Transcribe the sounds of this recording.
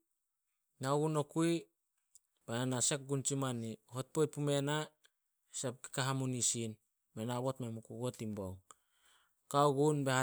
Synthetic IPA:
naɡuno̞kui | bananasek̚ɡunt͡ʃimanihot̚pojt̚pume̞na | sep̚ki̥kaɦamunisin | menaβo̞tmemukuɡotimboŋ | kauɡunbeha

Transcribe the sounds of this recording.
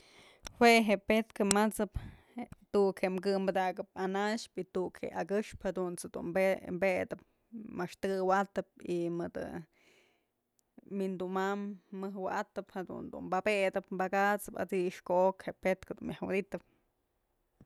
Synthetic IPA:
hwʷeɦeʔpet̪kɨmat͡sɨp | t̪ukhemkɨmbad̪aɡɨp̚anaʃpit̪ukhḛʔakɨʂphad̪unt͡sɨd̪ṵnmbembed̪ɨp̚ | maʂt̪ɨɡɨwat̪ɨp̚imɨd̪ɨ̰ | mind̪umamːɨhwaʔat̪ɨphad̪ṵnd̪ṵmbabed̪ɨpmbakat͡sɨpa̰d̪iʔʂkoʔokheʔpet̪kɨd̪unmjahwɨd̪it̪ɨp̚

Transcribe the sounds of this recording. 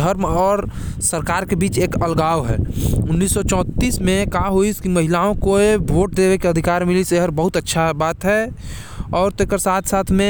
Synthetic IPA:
əɾmɔːɾsəɾkaːɾkebiːt͡ʃeːkəlɡaːʋɦɛ̰ːʊnːiːsːɔt͡ʃɔ̃ːt̪ːiːsmẽkaɦoiskiməɦɪlaõkoebʱoːʈ̚d̪ebekeəd̪ʱɪkaːɾmiliseɦəɾbəɦʊt̪ətːʃʰabaːt̪ɦɛ | ɔːɾt̪ekəɾsaːt̪ʰsaːt̪ʰmẽ

